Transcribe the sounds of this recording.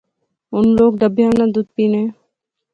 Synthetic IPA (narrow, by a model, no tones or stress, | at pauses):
ʊnloːɡ̚d̪əbʱijaːnad̪uːd̪̚piːnẽː